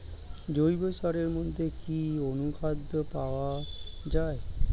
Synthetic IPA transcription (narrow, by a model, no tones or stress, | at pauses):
d͡ʑojbosaɾeɾmɔd̪ʱekionukʰad̪əpaʋad͡ʑae